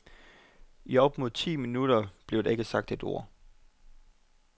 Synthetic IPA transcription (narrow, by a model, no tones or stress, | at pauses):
iɒ̽b̥mo̝ðˠt͡sʰḭːminuɾ̥ɐb̥le̝ʊd̥ee̝ɡ̥əsɑ̈ɡ̥̚d̥e̝d̥o̝ɐ̰